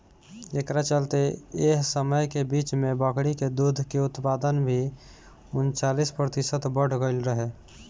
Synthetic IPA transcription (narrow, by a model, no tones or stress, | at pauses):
ekɾat͡ʃəlt̪eeɦsəməjkebiːt͡ʃmẽbəkɽiked̪ud̪ʱkeʊt̪paːd̪ənbʱi | ʊnt͡ʃaːlispɾət̪ɪsət̪bəɽ̤ɡəɪlɾəɦe